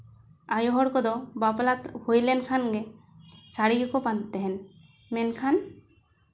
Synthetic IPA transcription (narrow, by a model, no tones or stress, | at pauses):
ajɔɦɔɽkɔd̪ɔbaplat̪hojlɛnkʰanɡɛ | saɽiɡɛkɔpant̪ɛɦɛn | mɛnkʰan